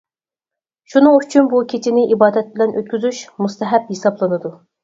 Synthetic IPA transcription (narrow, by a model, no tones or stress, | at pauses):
ʃunɨŋyt͡ʃʰynbukʲʰet͡ʃʰɪnɪʔibɑːd̪ɛt̪̚bɪlɛnʔø̰t̪̚kʲyzyʃmust̪ʰɛɦɛphesɑblˠɨnɨd̪u